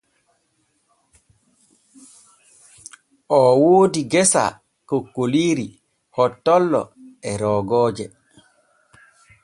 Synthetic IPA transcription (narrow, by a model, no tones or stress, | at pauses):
ʔɔwoːdiɡɛsa̰ | kokːoliːɾi | hɔtːɔlːɔ̰ɛɾɔːɡɔːd͡ʒɛ